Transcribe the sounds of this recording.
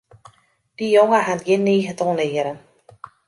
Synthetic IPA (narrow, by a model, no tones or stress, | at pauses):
d̥ijoŋəɦanɡɪnːiːɣətʰɔnɪəɾən